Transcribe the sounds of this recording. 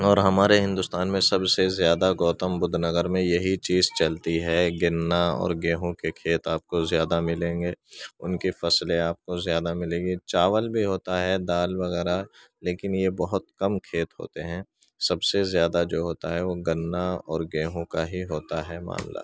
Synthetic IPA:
ɔːɾɦɐmaːɾeɦɪ̃nd̪ʊst̪aːnmẽsɐbsezjaːd̪aɡɔːt̪əmbʊd̪ʱnɐɡəɾmẽjɐɦit͡ʃiːzt͡ʃɐlt̪iɦɛɡɪnːaɔ̰ːɾɡeːɦõkekʰeːt̪aːp̚kozjaːd̪amɪlẽːŋɡeːʊ̰nkifɐslẽaːp̚kozjaːd̪amɪlẽːɡit͡ʃaːʋəlbʱiɦoːt̪aɦɛd̪aːlʋɐɣɛːɾa | leːkɪnjebɐɦʊt̪kɐmkʰeːt̪ɦo̰ːt̪eɦɛ̃ː | sɐbsezjaːd̪ad͡ʒoːɦoːt̪aɦɛʋoɡɐnːaɔ̰ːɾɡeːɦõkaɦiɦoːt̪aɦɛma̰ːnla̰ː

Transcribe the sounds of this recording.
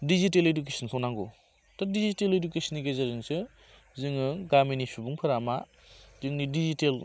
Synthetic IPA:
diziteleduk̬esʰɔnsʰɔnaŋɡɔ̰ | tadiziteledukesɔniɡezaɾɯŋsɯ | zɯŋɯŋɡaminisubuŋpʰɯɾama | zɯŋnidizitel

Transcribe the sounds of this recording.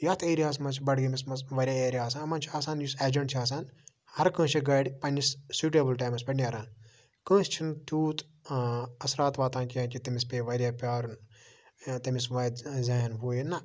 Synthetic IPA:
jɐt̪ʰeːɾʲiaːs̬mɐt͡ʃʰbɐɽɡimismɐsʋɐɾʲjãːeːɾʲijaːs̬aːɐmɐnt͡ʃʰiaːsaːnjuseːd͡ʒɐɳʈt͡ʃʰiaːs̬aːn | hɐɾkə̃ːt͡ʃʰiɡɐɽʲpɐnissuːʈeːbɨlʈaːmɐspʲɐnʲɐɾãːn | kə̃ːst͡ʃʰint̪uːt̪ | ɐsɾaːt̪ʋaːt̪ãːnkijãːkʲit̪ɐmispʲeːʋɐɾʲjaːpʲaːɾun | t̪ɐmisʋɐjd̪zɐɦɐnɦoːjinːɐ

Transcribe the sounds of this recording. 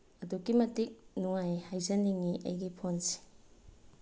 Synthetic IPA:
ɐdukːimɐtik̚nuŋajhajzɐniŋiʔɐ̰jɡipʰonsi̥

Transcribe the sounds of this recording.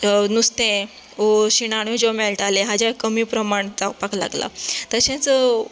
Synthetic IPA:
nust̪ẽ | oɕiɽ̃aɽ̃od͡ʑomeɭʈaleɦad͡ʑakəmiːpɾəmaɳd͡zapakla̰ɡla̰t̪əɕɛ̃t͡sə

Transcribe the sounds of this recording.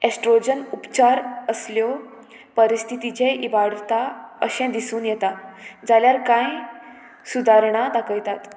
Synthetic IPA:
esʈɾod͡ʑənupt͡ɕaɾəsljɔ | pəɾist̪ʰit̪it͡ɕeʔibaɽt̪aəɕɛ̃d̪isuːnjɛt̪ad͡zaljaɾkãj | sud̪aɾɳ̃ad̪akʰəjt̪at̪

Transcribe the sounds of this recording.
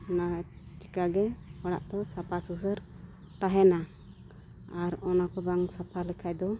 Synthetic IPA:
ɔnat͡ʃi̥kaɡɛpaɽa̰ʔt̪ɔsapʰasusəɾ | t̪aɦɛna | aɾɔnakɔbaŋsapʰalɛkʰajd̪ɔ

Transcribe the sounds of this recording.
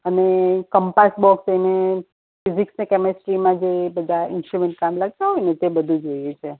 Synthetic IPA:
ənekəmpasbɔksejne | fiziksnekɛmɛsʈɾimãd͡ʒebəd̪ʱaɪnsʈɾumẽɳʈ̚kamlaɡ̚t̪aɦɔjnet̪ebəd̪ʱũd͡ʒojet͡ʃʰe

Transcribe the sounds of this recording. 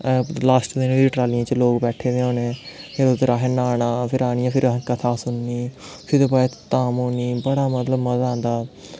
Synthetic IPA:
laːsʈd̪ɪnːiːʈɾaːlɪãːt͡ʃloːkbɛːʈʰeːʋẽːɦõːneːpʰɪɾot̪eɾaːɦeːnaːnaːpʰɪɾaːnɪjãːpʰɪɾɦkət̪ʰaːsʊnːiːpʰɪɾt̪opəɛt̪aːmoːniːbəɽaːmət̪ləbməzãːnd̪aː

